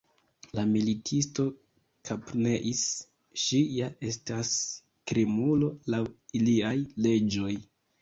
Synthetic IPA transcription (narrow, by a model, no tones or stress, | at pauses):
lamilitʰisto̞ | kʰapne̞ʔis | ʃijaʔe̞stas | kɾimulo̞lawiliajle̞d͡ʒo̞j